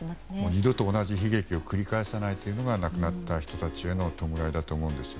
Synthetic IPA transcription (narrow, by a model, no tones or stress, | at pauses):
moɲ̟id̪o̞t̪o̞ːnaʑiçiɡe̞kʲio̞kɯ̟ɾʲikaesanait̪ːeiɯ̟no̞ɡanakɯ̟nat̪ːaçi̥t̪o̞t̪at͡ɕie̞no̞t̪o̞mɯ̟ɾaid̪at̪o̞ːmo̞ɯ̟̃nd̪e̞sɨ